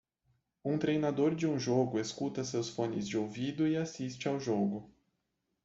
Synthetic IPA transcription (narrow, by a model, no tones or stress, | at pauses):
ũt̪ɾejnad̪oɾd͡ʒɪũʒoɡʊeskut̪ɐsewsfõnɪzd͡ʒɪowvid̪ʊɪasist͡ʃɪawʒoɡʊ